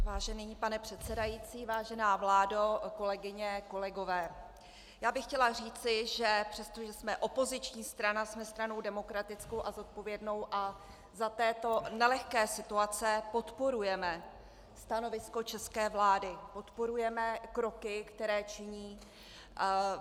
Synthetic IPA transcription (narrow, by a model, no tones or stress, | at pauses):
vaːʒɛnipanɛpr̝̥ɛt̪sɛdajiːt͡siːvaːʒɛnaːvlaːdoko̞lɛɡɪɲɛko̞lɛɡo̞vɛː | jaːbɪxcɛlar̝iːt͡sɪʒɛpr̝̥ɛst̪o̞ʒɛsmɛʔo̞po̞zɪt͡ʃɲiːst̪ɾanasmɛst̪ɾano̞wdɛmo̞kɾat̪ɪt͡skowʔazo̞t̪̚po̞vjɛdno̞wʔa | zat̪ɛːt̪o̞nɛlɛxkɛːsɪt̪uat͡sɛpo̞t̪po̞ɾujɛmɛ | st̪ano̞vɪsko̞t͡ʃɛskɛːvlaːdɪpo̞t̪poɾujɛmɛkɾo̞kɪkt̪ɛɾɛːt͡ʃɪɲiː